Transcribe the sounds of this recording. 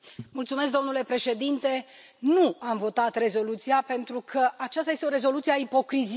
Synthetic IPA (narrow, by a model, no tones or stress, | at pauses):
mult̪sumesk̚d̪o̞mnule̞pɾe̞ʃe̞d̪int̪e̞ | nuamvo̞t̪at̪re̞zo̞lut̪sijape̞nt̪ɾukʰəʔat͡ʃast̪ajest̪eoɾe̞zo̞lut̪sieaipo̞kɾiz